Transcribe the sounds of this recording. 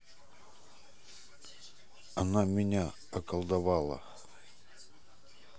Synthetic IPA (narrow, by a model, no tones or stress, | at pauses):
ɐnamʲɪnʲa | ɐkəlˠd̪ɐvalˠə̰